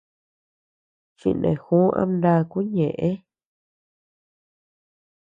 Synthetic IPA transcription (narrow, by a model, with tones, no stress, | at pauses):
t͡ʃḭ˧nḛ̃˨xu˦ʔã̰˧mnd̪a˦˧ku˦ɲẽ˨ʔẽ˦